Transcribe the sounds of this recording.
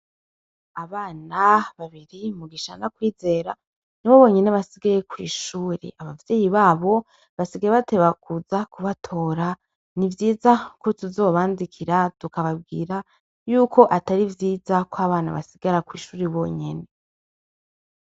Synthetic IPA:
aβaːnaβaβiɾimuɡiʃa̰nakwiːze̞ɾa | niβo̞βo̞ːɲe̞ne̞βasiɡaje̞kwḭːʃuːɾḛʔaβavjeːjiβaːβo̞ | βasiɡaɾeβate̞βakuzakuβatʰo̞ːɾa | nivjiːzakotuzo̞ːβaːndikʰiɾatukaβab̚ɡḭːɾa | juːkʰo̞ʔataɾivjiːzakwaβaːna̰βa̰siɡaɾakwiːʃuːɾiβo̞ɲe̞ne

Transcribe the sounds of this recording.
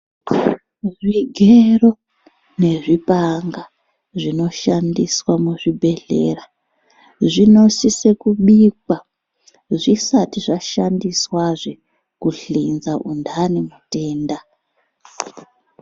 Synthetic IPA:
ʐiɡʱero̞ | ne̞ʐipaŋɡa | ʐino̞ʃandiswamuʐibʱe̞ɮe̞̰ːra | ʐino̞sise̞kuɓikwa | ʐisatiʐaʃandiswaʐe | kuɬinzaʔundanemute̞ːnda

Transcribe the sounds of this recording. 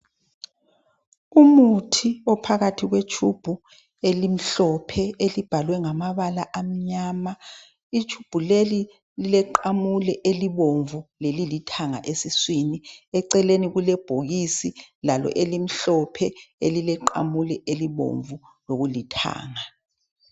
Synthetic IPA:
umutʰiɔpʰaɣatʰiɣwet͡ʃʰub̥ʱu | elim̩ɬɔpʰɛelib̥ʱalwɛŋamaβalaʔam̩ɲaːma | it͡ʃʰub̥ʱuleli | lilɛǃamulɛʔeliβoɱvulelilitʰaŋa̰ʔesiswiniɛǀɛleniɣulɛb̥ʱoɣisilalɔ̰ʔelim̩ɬɔpʰɛelilɛǃa̰mulɛeliβo̰ɱvu | loɣulitʰa̰ːŋa

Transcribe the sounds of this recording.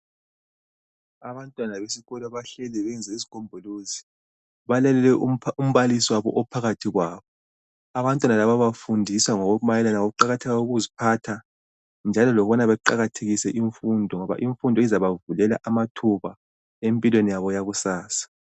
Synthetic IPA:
aβantʼwanaβesiɣɔlɔβaɬɛlɛβɛnd͡zʱɛizikʰombʱuluːzi | βalalɛlɛum̩βalisiwaβɔ̰ʔɔpʰaɣatʰiɣwaːβɔ | aβantʼwanalaβaβafundʱiswaŋoɣuumajɛlanaouǃaɣatʰɛɣauɣuzipʰatʰa | nd͡ʒʱalɔlɔβɔnaβɛǃaɣatʰeɣisɛʔiɱfundʱɔŋɔβa̰ʔiɱfundʱɔizaβavulɛla̰ʔamatʰuβa | empʼilwenijaβɔjaɣusaːsḁ

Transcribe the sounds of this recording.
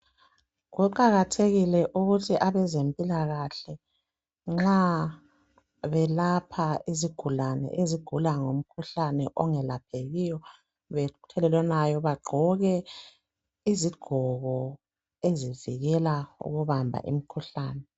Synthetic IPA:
ɣuǃaɣatʰeɣilɛʔuɣutʰiʔaβɛzempʼilaɣaɬɛ | ŋ͡ǁa | βɛlapʰaiziɡ̥ʱulanɛ̰ʔeziɡ̥ʱulaŋom̩kʰuɬanɛʔɔŋɛlap̚ʰeɣijɔ | βɛtʰɛlɛlwɛnajɔβaɡ͡ǃʱɔɣɛ | iziɡ̥ʱɔɣɔ | eziviɣɛlaṵɣuβambʱa̰ʔḭm̩kʰuɬaːnɛ

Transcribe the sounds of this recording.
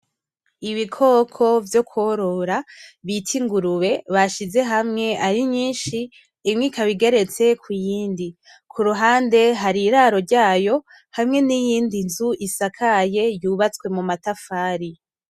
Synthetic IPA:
iβikʰo̞kʰo̞vjo̞kʰwoɾo̞ɾaβitʰiŋɡuɾuβe̞βaʃize̞ɦamŋe̞ʔaɾiɲiːnʃiː | mŋiːkaβiɡe̞ɾe̞t͡se̞kʰujiːndi | kʰuɾuɦaːnde̞ɦaɾiɾaːɾo̞ɾɟaːjo̞ | hamŋe̞nijiːndinzuʔisakʰaje̞juːβat͡skwe̞mumatafaːɾi

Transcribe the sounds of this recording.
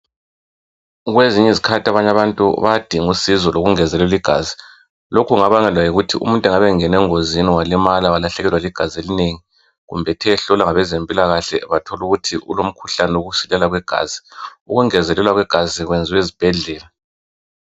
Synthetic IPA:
ɣweziɲɛzikʰatiaβaɲaβantʼṵβad̥ʱiŋusizɔloɣuŋɛzɛlɛliɡ̥ʱa̰zi | lokʰuŋaβaŋɛlwajiɣutʰiʔṵmuntʼɛŋaβɛŋɛnɛŋoziniwalimalawalaɬɛɣɛlwaliɡ̥ʱazielineŋi | ɣṵmbʱɛtʰɛɬɔlaŋaβɛzempʼilaɣaɬɛ̰βatʰɔluɣutʰiʔṵlom̩kʰuɬanɛwoɣusilɛlaɣwɛɡ̥ʱa̰ːz̥iuɣuŋɛzɛlɛlwaɣwɛɡ̥ʱaziɣwɛnd͡zʱiwezib̥ʱɛɮɛːla

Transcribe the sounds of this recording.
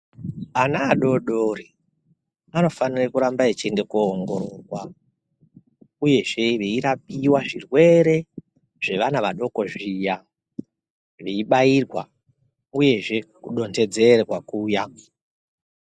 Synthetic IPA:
anaːɗo̞ɗori | ano̞fanirakuɾambaet͡ʃende̞koːŋɡo̞ɾorwa | uje̞ʐe̞ʋeiɾap̚iwaʐirwe̞ɾe̞ | ʐ̥e̞ʋanaʋaɗo̞ko̞ʐija | ʋeiɓairwa | uje̞ʐe̞kuɗo̞nte̞d͡ze̞rewakuːja

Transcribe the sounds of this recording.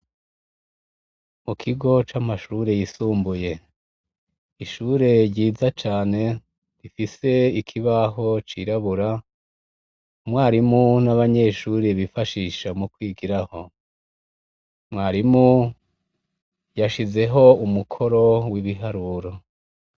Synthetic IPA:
mukʰiɡo̞t͡ʃamaʃuːɾe̞jisuːmbuje̞ | iʃuːɾe̞ɾɟiːzat͡ʃaːne̞ | ɾifise̞ikʰiβaɦo̞t͡ʃiɾaβuɾa | mŋwaːɾimunaβaɲe̞ʃuːɾeβifaʃiːʃamukwiːɡiɾaho̞ | mŋaːɾimu | jaʃize̞ɦo̞umukʰo̞ɾo̞wiβiɦaɾuːɾo

